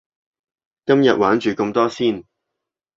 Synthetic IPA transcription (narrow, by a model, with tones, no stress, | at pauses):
kɐ˥mjɐ˨t̚waː˨˥nt͡ʃyː˨kɵ˧mt̪ɔː˥siː˥˩n